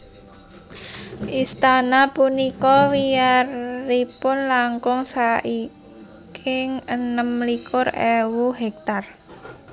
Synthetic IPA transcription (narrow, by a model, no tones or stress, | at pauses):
ʔist̪anapunikɔwiarːipʊnlaŋkʊŋsai | kʰɪŋənəmːlikʰʊrɛwuɦɛk̚t̪ar